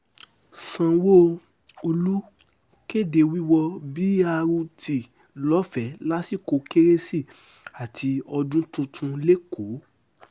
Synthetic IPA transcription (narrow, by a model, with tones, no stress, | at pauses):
sã˨wo˦ | o˧lu˦ | ke˦˨de˧˨wi˦wɔ˧bi˦a˧ɾu˧tʰi˨ | lɔ˨˦fɛ˨˦la˦si˦˨ko˨˦ke˦ɾe˦si˦˨ | a˨tʰi˧ɔ˧dũ˦tũ˧tʰũ˧le˦kʰo˨˦